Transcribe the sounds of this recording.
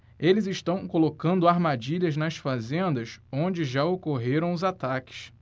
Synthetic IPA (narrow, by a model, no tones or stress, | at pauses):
elɪzɪʃt̪ɐ̃w̃kolokɐ̃nd̪ʊaɾmad͡ʒiʎɐznɐsfazẽnd̪ɐsõd͡ʒɪʒaokoɦeɾɐ̃w̃ʊzat̪akɪ̥s